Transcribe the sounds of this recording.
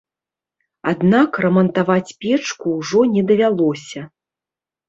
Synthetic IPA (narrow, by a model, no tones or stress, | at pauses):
a̰d̪nakrɐmɐnt̪avat͡sʲpʲɛt͡ʂkuwʐɔnʲɛd̪ɐvʲalˠɔsʲɐ